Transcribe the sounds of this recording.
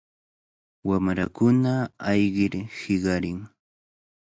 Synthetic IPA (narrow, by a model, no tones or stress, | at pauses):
wamɾakʊnaɑjɢɪɾhɪɢɑɾɪŋ